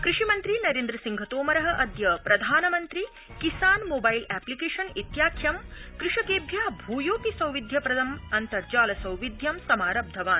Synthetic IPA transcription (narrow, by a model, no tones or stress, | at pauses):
kɾɪʂimɐnt̪ɾinɐɾeːnd̪ɾɐsiŋɡʱɐt̪oːmɐɾɐɦɐ̆ʔɐd̪jɐpɾɐd̪ʱaːnɐmɐnt̪ɾi | kisaːnmoːbɐilɛːplikeːʂɐnit̪jaːkʰjɐmkɾɪʂɐkeːbʱjaːbʱuːjoːkisɐ̃wʋid̪ʱjɐpɾɐd̪ɐmɐnt̪ɐɾd͡ʒaːlɐsɐ̃wʋid̪ʱjɐmsɐmaːɾɐb̚d̪ʱɐʋaːn